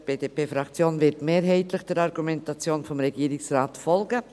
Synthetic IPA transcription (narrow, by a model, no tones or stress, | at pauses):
b̥eːdeːpeːfɾakt͡sjoːnvɪtmeːɾɦɛɪtlɪχd̥ɛɾɑɾɡumɛntat͡sjoːnfɔmɾɛɡiːɾɪksraːtfɔlɡə